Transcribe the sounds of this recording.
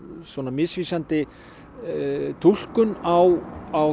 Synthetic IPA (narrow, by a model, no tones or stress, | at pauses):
swɔnamɪsviːsant̪ɪ | t̪ʰul̥kʏnawaw